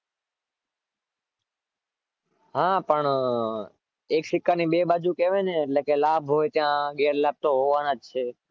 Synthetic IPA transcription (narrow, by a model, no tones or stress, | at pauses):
ɦãpəɳ | ekʃɪkːanibebad͡ʒukeʋeneːʈlekelaːbʱɦojt̪jãɡeɾlaːb̚t̪oɦoʋanad͡ʒt͡ʃʰe